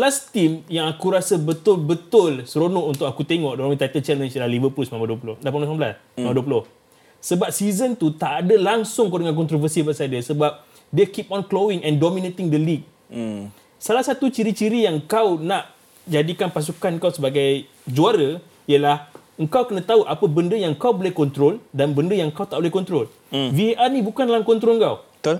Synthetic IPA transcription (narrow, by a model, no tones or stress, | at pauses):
səlast̪imjaŋakuɾasəbət̪ʊlbət̪ʊlsəɾonɔʔunt̪ʊk̚akut̪eŋɔʔdɔlmĩt̪ajt̪əlt͡ʃɛlənsiəlahlivəpulsmãmbaduəpulʊhdapaasanbla̰smambaduəpulʊh | səbap̚sizənt̪ut̪aʔːdəlaŋsʊŋkodəŋank̬ɔnt̪ɾovəsibaʔsadəsəbap̚ | dekip̚ɔnklowɪ̃ŋɛ̃ndomĩnet̪ɪŋdəlik̚ | salahsat̪ut͡ʃiɾit͡ʃiɾijaŋkawnaʔ | d͡ʒadikanpas̬ukanŋkawsəbaɡaj | d͡ʒuaɾə | iəlah | əŋkawkənãt̪auʔapəbəndəjaŋkawbolɛhkɔnt̪ɾoldanbəndəjaŋkawt̪aʔbolɛhkɔnt̪ɾol | viʔanĩbukanlaŋkɔnt̪ɾoləŋkaw